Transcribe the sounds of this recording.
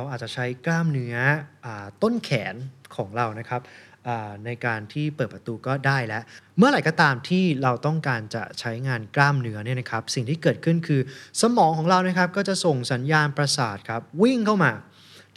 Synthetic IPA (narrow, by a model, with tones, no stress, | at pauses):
ɾa˧wʔaː˨˩t͡ɕa˨˩t͡ɕʰa˦˥jklaː˥˩mnɯ˦˥ɐʔaː˨˩t̪o˥˩nkʰɛː˩˦nkʰɔː˩˦ŋɾa˧wna˦˥kʰa˦˥p̚ʔaː˨˩na˧jkaː˧nt̪ʰiː˥˩pɤː˨˩t̚pɾa˧t̪uː˧kɔː˥˩daː˥˩jlɛ˦˥ʔmɯ˥˩ɐɾa˨˩˦jkɔː˥˩t̪aː˧mt̪ʰiː˥˩ɾa˧wt̪ɔ˥˩ŋkaː˧nt͡ɕa̰˨˩t͡ɕʰa˦˥jŋaː˧nklaː˥˩mnɯ˦˥ɐni˥˩na˦˥kʰa˦˥p̚si˨˩ŋt̪ʰiː˥˩kɤː˨˩t̪̚kʰɯ˥˩nkʰɯː˧sa˧mɔː˩˦ŋkʰɔː˩˦ŋɾa˧wna˦˥kʰp̚kɔː˥˩t͡ɕa˨˩so˨˩ŋsa˩˦njaː˧npɾa˧saː˨˩t̪̚kʰa˦˥p̚wi˥˩ŋkʰa˥˩wmaː˧